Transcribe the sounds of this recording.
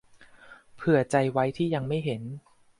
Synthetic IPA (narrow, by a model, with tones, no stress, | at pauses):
pʰɯ˨˩ɐt͡ɕa˧jwa˦˥jt̪ʰiː˥˩ja˧ŋma˥˩jɦe˩˦n